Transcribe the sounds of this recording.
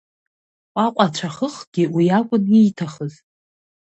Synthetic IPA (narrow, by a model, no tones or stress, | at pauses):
aqʷʼat͡ʃʷʰaχəχɡ̥ʲɪwijakʷʼʊnijtʰaχəz